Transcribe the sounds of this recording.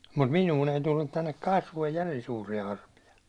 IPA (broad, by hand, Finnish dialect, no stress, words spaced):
mut minuːn ei tulːut tænːek kɑsʋoij jærin suːrijɑ ɑrpijɑ